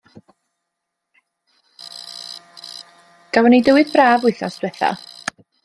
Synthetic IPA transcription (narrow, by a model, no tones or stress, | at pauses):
ɡ̥avɔnidəwɨðbraːvʊɨθasd̥wɛθa̰